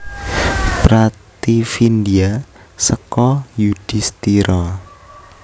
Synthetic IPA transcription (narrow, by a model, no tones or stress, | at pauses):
pɾat̪ifind̪ia | səkɔjud̪̥ist̪iɾɔ